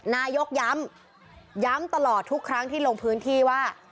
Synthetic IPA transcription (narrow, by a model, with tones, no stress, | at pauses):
naː˧jo˦˥k̚ja˦˥m | ja˦˥mt̪a˧lɔː˨˩t̪ʰːu˦˥kʰːɾa˦˥ŋt̪ʰiː˥˩lo˧ŋpʰɯː˦˥nt̪ʰiː˥˩waː˥˩